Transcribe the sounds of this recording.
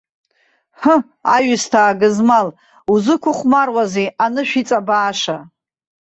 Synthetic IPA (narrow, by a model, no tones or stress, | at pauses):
hə | a̰ɥɨstʰaːɡɨzmal | uzɨkʷʰʊχʷmarwazeanɨʃᶣit͡sʼabaːʂa